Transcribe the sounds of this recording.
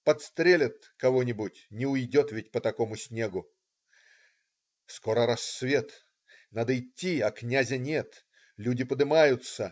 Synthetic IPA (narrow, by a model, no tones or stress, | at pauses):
pɐt̪st̪ɾʲelʲət̪̚ | kɐvonʲɪbʊtʲnʲɪʊjdʲo̞t̪vʲɪt̚ʲpət̪ɐko̞mʊsʲnʲe̞ɡʊ | skoɾəɾasːvʲe̞t̪ | nad̪əɪtʲːiaknʲæzʲənʲet̪ | lʲudʲɪpəd̪ɨmajʊt̪sə